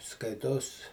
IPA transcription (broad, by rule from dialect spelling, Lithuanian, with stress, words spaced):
ˈskɐɪtoːs